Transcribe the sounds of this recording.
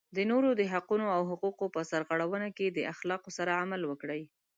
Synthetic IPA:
d̪ənoɾod̪əɦaqunoawɦʊquqopəsaɾɣaɽawənaked̪əʔaxlɑqosaɾaamalwəkɽəj

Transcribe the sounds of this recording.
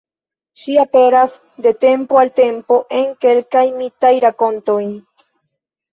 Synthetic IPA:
ʃiape̞ɾas | d̪e̞t̪e̞mpoalt̪e̞mpo̞ʔeŋke̞lkajmit̪ajɾako̞nt̪oj

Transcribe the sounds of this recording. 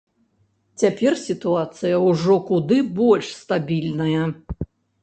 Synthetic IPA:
t͡sʲapʲɛrsʲit̪uat̪sɨjɐwʐɔkud̪ɨbɔlʲʂst̪abʲilʲnɐjɐ

